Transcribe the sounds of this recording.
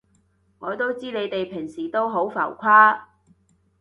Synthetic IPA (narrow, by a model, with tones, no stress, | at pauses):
ŋɔː˨˧t̪o˥wt͡siː˥ne˨˧jt̪e˨jpʰɪ˨˩ŋsiː˨˩t̪o˥wɦo˨˥wfɐ̰˨˩wkʷʰaː˥